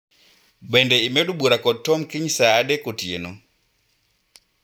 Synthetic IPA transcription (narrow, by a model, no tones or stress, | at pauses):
bɛndɛimɛɗuɓuɾakɔtːɔmkiɲsaːdɛkotienɔ